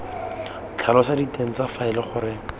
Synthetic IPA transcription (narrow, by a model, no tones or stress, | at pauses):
t͡ɬʰalɔsaditeŋ̩t͡safaɪlɪχʊɾɪ